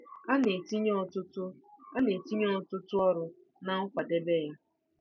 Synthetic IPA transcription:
a˦ne˨ti˦ɲ˦ɔ˦tʊ˦tʊ˦a˦ne˨ti˦ɲ˦ɔ˦˨tʊ˦tʊ˦ɔ˦ɾʊ˨ | na˨ŋ̩˦kʷa˨de˦be˦˨ɣa˦

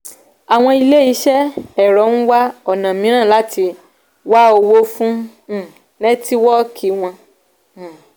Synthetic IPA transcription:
a˨w̃ɔ̃˧i˧le˦i˨˦ʃɛ˦ɛ˦˨ɾɔ˨˦ñ̩˦wa˦ɔ˨nã˨mĩ˨˦ɾ̃ã˦˨la˨˦tʰi˧ | wa˦o˧wo˦fũ˦˨ | nɛ̃˦ti˦wɔ˦kʰi˨˦w̃ɔ̃˧˨

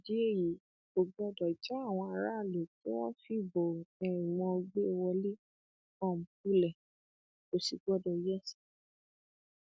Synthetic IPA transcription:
d͡ʒi˦e˦˨ji˨ | o˨ɡ͡bɔ˦dɔ˨i˨ta˦a˦˨w̃ɔ̃˧a˧ɾa˦˨lo˨tĩ˦w̃ɔ̃˦fi˦˨bɔ˨ɛ˨ĩ˨wɔ̃˧ɡ͡be˦˧wɔ˧li˦ | kɔ̃˦˨m̩˨k̚u˦lɛ˨ | o˨si˨ɡ͡bɔ˦dɔ˨i˨jɛ˦˨si̥˨

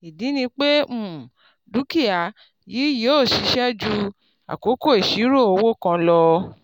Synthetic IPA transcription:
i˨di˨˦nĩ˧k͡pe˦mũ˦˨ | du˦ki˦a˨ | jiː˨˦jo˦˨ʃi˨˧˦ʃɛ˦d͡ʒu˦ | a̰˨ko˨˦ko˦˨e˨ʃi˨˦ɾo˦˨o˧wo˦˨kã˧lɔ˧

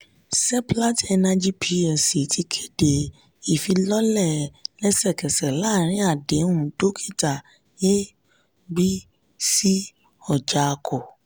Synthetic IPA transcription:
sɛ˦pla˦tɛ˧nã˧d͡ʒi˦pʰi˧a˨si˨tʰi˧kʰe˦de˨ | i˨fi˧lɔ˦lɛ˦˨lɛ˦sɛ˦˨kɛ˨sɛ˨la˦˨ɾ̃ĩ˨˦a˦˨dẽ˨˦ũ˨do˦kʰi̥˦˨ta˨ | je˦ | ɡ͡bi˦ | si˦ | ɔ˦˨d͡ʒa˨˧kʰo˨

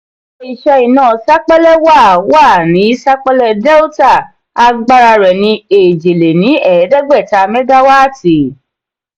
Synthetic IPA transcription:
i˨ʃɛ˧i˨nãː˦˨sa˦k͡pɛ˦lɛ˦wa˦˨wa˦˨nĩ˨˦sa˦k͡pɛ˦lɛ˦˧dɛ˦u˦ta˦˨ | a˧ɡ͡ba˧ɾa˧ɾɛ˨nĩ˧˦e˨d͡ʒe˨le˨nĩ˨˦ɛ˨˦dɛ˦ɡ͡bɛ˦˨ta˧mɛ˦ɡa˦wa˦˨ti˨

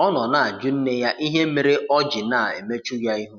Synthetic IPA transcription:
ɔ˦nɔ˨na˨a˨d͡ʒu˦n̩˦ne˦ja˦ʔi˦ɦe˦me˨ɾe˦ʔɔ˦d͡ʒi˨na˨ḛ˨me˦t͡ʃu˦ja˦i˦ɦu˦

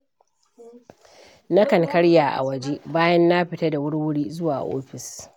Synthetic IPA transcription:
na˦kɐ˨ŋkɐ˦ɽjaː˨ʔa̰˨wɐ˨d͡ʒe˦baː˦jɐ˦nːa˦ɸɪ˨tɐ˦da˨wʊ˦ɽwʊ˦ɽiː˦zʊ˦waː˨ʔo̰ː˦ɸɪ˨s

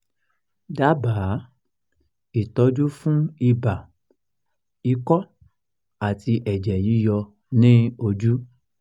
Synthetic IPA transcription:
da˨˦baː˨˦ | i˨tɔ˨˧˦d͡ʒu˦fũ˦i˧ba˨ | i˧˦kɔ˦ | a˨ti˧ʔɛ˨d͡ʒɛ˨ji˨˦jɔ˧ | nĩ˦o˧d͡ʒu˦

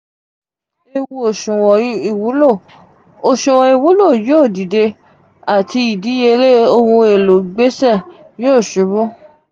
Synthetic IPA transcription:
e˦˧wu˧o˨ʃũ˨wɔ˨˦i˦˨wu˨˦lo˦˨ | o˨ʃũ˨wɔ̃˧i˨wu˨˦lo˦˨joː˦˨di˨de˧ | a˨ti˧i˨di˨˦je˧le˦o˦˧hũ˧e˨lo˨ɡ͡be˦sɛ˦˨ | joː˦˨ʃũ˨˦bũ˦

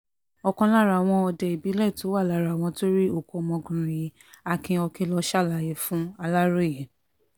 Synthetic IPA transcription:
ɔ˧kɔ̃˧la˦˨ɾa˨w̃ɔ̃˧ɔ˧dɛ˧i˨bi˨˦lɛ˦˨to˨˦wa˦˨la˦˨ɾa˨w̃ɔ̃˧to˦ɾi˦o˦˨kɔ˨˧mɔ̃˧ɡũ˨ɾĩ˨˦ | a˧kĩ˧ɔ˧kĩ˧lɔ˧ʃa˦˨la˨je˨fũ˦a˧la˦ɾo˦˨jɛ˨

